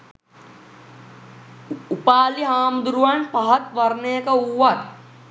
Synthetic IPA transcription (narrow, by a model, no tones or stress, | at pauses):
upaːliɦaːmd̪uɾuʋanpɐɦɐt̪ʋɐrnejəkəuːat̪